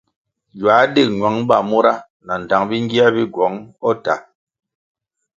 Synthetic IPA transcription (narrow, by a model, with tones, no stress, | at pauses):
d͡ʒwaː˨˦de˦˨ɲwa˨˦ŋ˦ba˨mo˦ɾa˦ | na˨n̩˨ta˨˦ŋbi˦ŋ˦ɡi˦a˦bi˦ɡwɔ˨˦ŋɔ˦ta̰˨